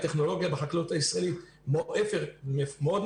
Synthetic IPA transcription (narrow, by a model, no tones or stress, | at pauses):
t̪eχno̞lo̞ɡjabeħaklut̪aisʁaelit̪ | mʔefeʁemeod̪